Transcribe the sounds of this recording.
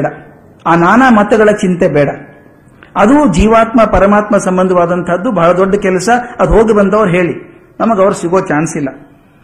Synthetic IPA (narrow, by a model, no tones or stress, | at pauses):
ɽɐ | aːnaːnaːmɐt̪ɐɡɐɭɐt͡ʃint̪ebɛːɽɐ | ɐd̪ud͡ʒiːʋaːt̪mɐpɐɾɐmaːt̪mɐsɐmbɐnd̪ʱɐʋaːd̪ɐnt̪ʰɦɐd̪ːubɐɦɐɭɐd̪ɔɖːɐkɛlɐsɐɐd̪uɦoːɡibɐnd̪ɐʋɐɾuɦe̞ːɭi | nɐmɐɡɐʋɾɐsiɡoːt͡ʃaːnsilːɐ